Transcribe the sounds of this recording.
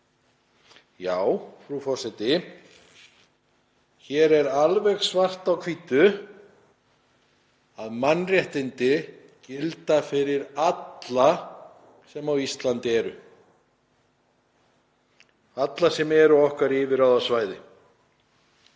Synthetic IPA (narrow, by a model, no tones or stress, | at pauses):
jaːwfɾufɔ̥sɛjt̪ɪ | çɛɾɛɾalvɛɣsvar̥t̪awkʰviːt̪ʏ | aðmanːrjɛht̪ɪnt̪ɪ | cɪlt̪afɪɾɪɾat̪la | sɛmawist̪lant̪ɪɛɾʏ | at̪lasɛmɛɾʏɔhkaɾɪːvɪɾawðasvaːjðɪ